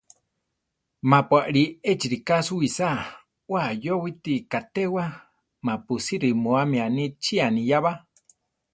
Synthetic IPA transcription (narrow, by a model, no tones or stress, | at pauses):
mapwaʔɺiet͡ʃiɾikasuisa | wajowit̪ikat̪ewa | mapusiɾimuamĩanit͡ʃianijaβa